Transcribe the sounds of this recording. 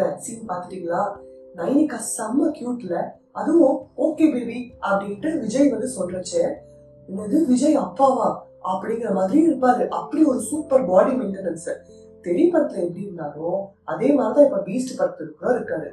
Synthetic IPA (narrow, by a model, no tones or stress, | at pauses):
ɐsinpaːɾt̪ɯʈːiːŋɡɐɭaː | nɐɪnɪkːaːsɐmːɐkjuːʈːɪlɐ | ɐðɯʋõoːkeːbibiʔɐpːɐɽɪŋkːɪʈːɯʋɪd͡ʒɐjʋɐnd̪ɯsɔnːɾɐt͡ʃːɛ | ɪnɐðɯʋɪd͡ʒɐjɐpːaːʋãː | ɐpːɐɽɪŋɡɪɾɐmaːðɪɾij̃ɪɾɯpːaːðɯʔɐpːɐɽiɔɾɯsuːpːɐɾbaːɽimɪnʈɐnɐnɯsɐɾ | t̪ɛɾɪpɐɽɐt̪ːɪlɐɛpːɽiɾɯnːaːɾõː | ɐðeːmaːd̪ɾɪt̪ãːɪpːɐbiːsʈɯpɐɾt̪ːɪɾɯkːɯɾoɪɾɯkːaːðɯ